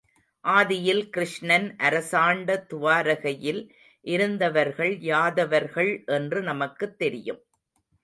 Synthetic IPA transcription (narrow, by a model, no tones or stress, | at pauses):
ʔaːðɪjɪlkɪɾɪʂɳɐnʔɐɾɐsaːɳɖɐt̪ʊʋaːɾɐɣɐjɪl | ʔɪɾɯnd̪ɐʋɐɾɣɐɭjaːðɐʋɐɾɣɐɭʔɛndrɯnɐmɐkːɯt̪ːɛɾɪjɯ̰m